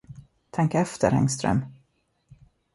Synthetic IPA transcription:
t̪ʰɛŋkɛft̪əɾɛ̰ŋst̪ɾœ̰m

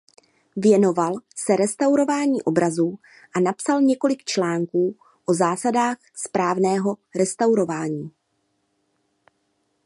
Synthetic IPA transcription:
vjɛno̞valsɛɾɛst̪awɾo̞vaːɲiːʔo̞bɾazuː | ʔanapsalɲɛko̞lɪkt͡ʃlaːŋkuː | ʔo̞zaːsadaːx | spɾaːvnɛːɦo̞ɾɛst̪awɾo̞vaːɲiː

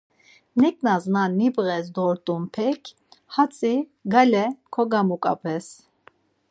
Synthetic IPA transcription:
nɛkʼnaznanːibʁɛs̬d̪ɔɾt̪ʼumpʰɛkʰ | hat͡sʼiɡalɛkʰɔɡamukʼa̰pʰɛs

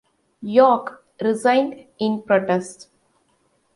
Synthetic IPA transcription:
jɔːk | ɾɪzãɪ̃nɖɪ̃npɾoːʈesʈ

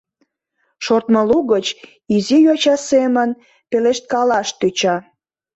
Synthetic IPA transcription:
ʃort̪məluɣət͡ɕ | izijot͡ɕɑsemən | peleʃt̪̚kɑlɑʃt̪yt͡ɕɑ

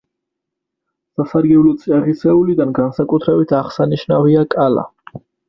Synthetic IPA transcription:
sasaɾɡɛlɔt̪sʼiaʁisɛulid̪anɡansakʼut̪ʰɾɛbit̪ʰaʁsaniʃnaviakʼala̰

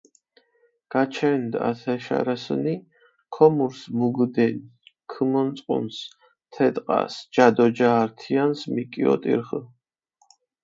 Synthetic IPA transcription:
ɡ̥at͡ʃʰɛnd̪a̰t̪ʰɛʃa̰ɾasəni | kʰɔmuɾsmuɡd̪ɛnkʰɨmɔnt̪t͡s̪ʼqʼṵns | t̪ʰɛt̪ʼqʼa̰sd͡ʒad̪ɔd͡ʒaːɾt̪ʰiansmikʼiɔ̰t̪ʼḭɾχə

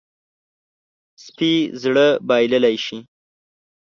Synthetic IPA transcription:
spizɽəbɑjləlajʃi

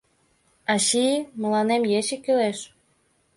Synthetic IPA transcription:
ɑɕimə̆lɑnemjet͡ɕĕkyleʃ

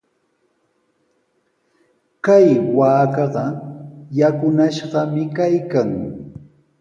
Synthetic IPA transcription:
kajwaːkɑɢɑjakʊnaʃɢɑmɪkajkaŋ

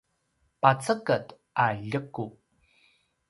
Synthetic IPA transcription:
pat͡səkət | ʔaʎəku

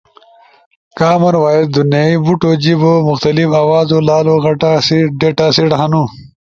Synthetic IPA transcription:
kaːmɐɾwaːjid̪̚d̪unjaːibuʈod͡ʑibomʊxt̪ɐlifaːwaːzolaːloɣɐʈasiɖeʈasiɽɦɐnu

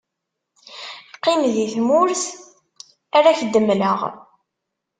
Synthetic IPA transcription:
qːɪmðiθmʊɾθ | aɾaçəd̪ːəmləʁ

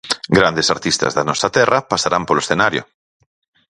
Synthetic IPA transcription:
ɡɾand̪esaɾt̪ist̪a̰zðanɔsat̪ɛrapasaɾampoloesθenaɾjo̰

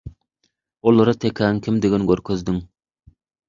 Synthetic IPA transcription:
ulˠɨɾɨt̪ʰekʰʲɛŋkʲʰimd̪eɡʲɛnɡʲøɾkʲʰøzd̪ɪŋ

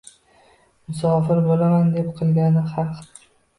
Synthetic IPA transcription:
mʊsɒːfɪɾbolamand̪epqʰɨlˠɡʲanɪχɑq

